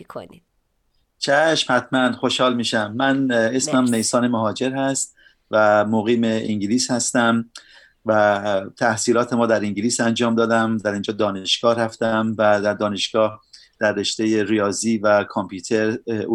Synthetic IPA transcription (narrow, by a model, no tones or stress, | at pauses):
kʰo̰ni | t͡ʃʰæʃmhæt̪ʰmænxo̞ʃhɒːlmiːʃæmːæne̞smæmnejsɒːne̞moɦɒːd͡ʒe̞ɾhæst̪̚ | væmoɣiːme̞iŋɟiliːshæst̪æm | væt̪ʰæhsiːlɒːt̪ʰe̞mɒːd̪æɾiŋɟiliːsænd͡ʒɒːmd̪ɒːd̪æmd̪æɾiːnd͡ʒɒːd̪ɒːneʃɡ̥ɒːhɾæft̪æmvæd̪æɾd̪ɒːne̞ʃɡ̥ɒːhd̪̥æɾːe̞ʃt̪e̞je̞ɾijɒːziːvækʰompʰuːt̪ʰe̞ɾ